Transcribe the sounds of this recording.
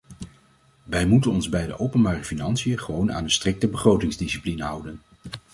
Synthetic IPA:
ʋɛjmutənɔnzbɛjdə̰ʔowpənbaːrəfinɑnsijəχəʋowna̰ːnənstrɪk̚təbəχrowtɪŋzdisiplinɦʌ̰wdən

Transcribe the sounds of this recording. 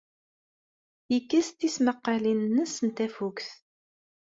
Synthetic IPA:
jəkːəst̪isməqːalinnːəsənt̪æfukθ

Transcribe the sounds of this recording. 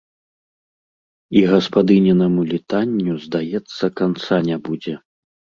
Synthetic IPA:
iɣɐspad̪ɨnʲɛnɐmulʲit̪anʲːuzd̪ajɛt̪sːɐkant̪sanʲabud͡zʲɛ

